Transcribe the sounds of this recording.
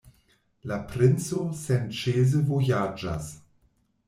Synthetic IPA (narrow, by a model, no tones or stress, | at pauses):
lapɾɪnt͡sosɛnt͡ʃeːzəvojad͡ʒa̰s